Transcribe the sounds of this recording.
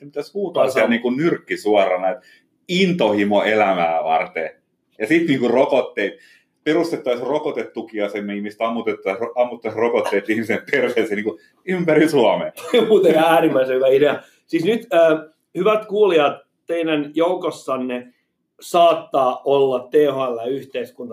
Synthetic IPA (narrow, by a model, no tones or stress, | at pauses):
semit̪æshuːt̪ɑːsiælniːŋkunnyrkːisuɑrɑnɑet̪ | int̪ohimoelæmæːʋɑ̰rt̪e | jɑsit̪niːŋkurokot̪ːeit̪ | perust̪et̪ːɑˑsrokot̪et̪ːukiɑsemːihmiset̪ɑmːut̪et̪ːɑsɑmːut̪ːɑsrokot̪ːeit̪ihmisemperʋeːseniːku | ympærinsuɑmḛmuːt̪eæːrimːæisehyʋæideɑ | sisnyt̪əː | hyʋæt̪kuːliɑt̪ | teinænjoukosːɑnːe | sɑːt̪ːɑːʔolːɑtt̪ehælːæyht̪eiskunt̪ɑ